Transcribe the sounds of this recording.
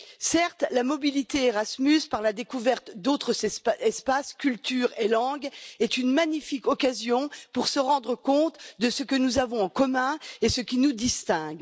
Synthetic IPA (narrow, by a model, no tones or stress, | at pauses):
sɛʁt̪lamɔbilit̪eːʁasmyspaʁlad̪ekuvɛʁt̪d̪ot̪χəzɛspaskʲylt̪yʁelɑ̃ɡɛt̪ynmaɲifikɔkazjɔ̃puʁsəʁɑ̃d̪ʁəkɔ̃t̪d̪əsəkənuzavɔ̃ɑ̃kɔmɛ̃esəkʲinud̪ist̪ɛ̃ɡ